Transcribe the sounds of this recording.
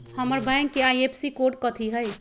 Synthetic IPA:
həməɾbãŋkːeajepʰsikoɾɖ̚kət̪ʰiɦəj

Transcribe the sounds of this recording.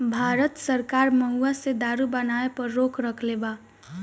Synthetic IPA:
bʱaːɾət̪səɾkaːɾməɦuased̪aːɾubənaepəɾːoːkʰɾəkʰleba

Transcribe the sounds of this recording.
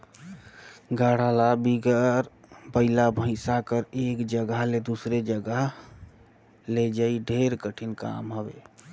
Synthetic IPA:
ɡaɽ̤alabiɡəɾbəɪlabʱə̃ɪsakəɾekd͡ʒəɡəɦled̪usɾed͡ʒəɡəɦ | led͡ʒaiɖʱeɾkəʈʰinka̰mɦəbḛ

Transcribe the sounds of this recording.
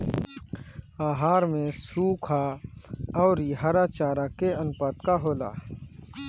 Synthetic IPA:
aːɦaːɾmẽsuːkʰa | ɔːɾiɦaːɾat͡ʃaːɾakeənʊpəːt̪kaɦoːla̰ː

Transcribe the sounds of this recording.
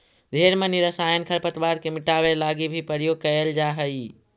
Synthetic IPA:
d̪ʱeɾmeniɾəsajənkʰəɾpət̪baɾkemɪʈaʋelaɡibʱipəɾijoɡ̚kəjəld͡ʒaɦəi

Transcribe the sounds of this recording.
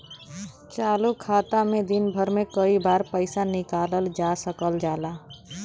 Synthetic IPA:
t͡ʃaːlukʰaːt̪amẽd̪inbʱəɾmẽkəibaːɾpəɪsanɪkaːləld͡ʒasəkəld͡ʒaːla

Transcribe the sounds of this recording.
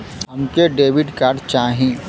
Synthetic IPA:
ɦɐmkeɖeːʋɪɖkaːɾɖt͡ʃaːɦĩː

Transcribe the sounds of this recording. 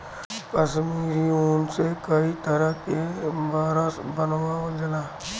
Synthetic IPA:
kɐʃmiːɾioːnsekɐit̪ɐɾəɦkebaːɾəsbɐnowaod͡ʒəlaː

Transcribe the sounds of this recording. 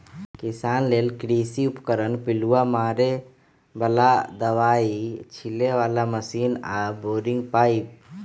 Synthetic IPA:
kɪsaːnleːlkɾisiʊpkəɾənpɪluamaːɾe | bəlad̪əʋaːit͡ʃʰileʋaːlaməsiːnaboːɾɪ̃ŋɡpaːip̚

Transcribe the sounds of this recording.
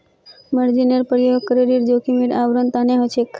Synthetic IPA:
məɾd͡ʒinəɾpəɾjokəɾeɾiɾd͡ʒokimiɽaʋɾənt̪aneɦot͡ʃʰekʰ

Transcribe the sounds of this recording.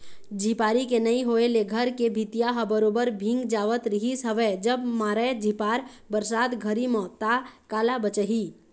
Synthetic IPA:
d͡ʒʱipaːɾikenɐĩɦoːeleɡʱəɾkebʱit̪ijaɦəbəɾoːbəɾbʱɪ̃ŋɡd͡ʒaːʋət̪ɾiɦisəʋɛd͡ʒəbmaːɾəd͡ʒʱipaːɾ | bəɾsaːt̪ɡʱəɾimɔːt̪akaːlabət͡ʃəɦi

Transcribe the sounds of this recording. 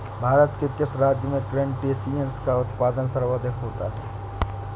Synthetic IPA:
bʱaːɾət̪kekɪsɾaːd͡ʒjəmẽʈɾẽɳʈesiə̃nskaʊt̪paːd̪ənsɐɾʋəd̪ʱɪkʰɦoːt̪a̰ɦɛː

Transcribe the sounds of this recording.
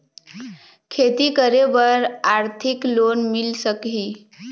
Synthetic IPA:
kʰet̪ikəɾebəɾaɾt̪ʰiklonmilsəkɦi

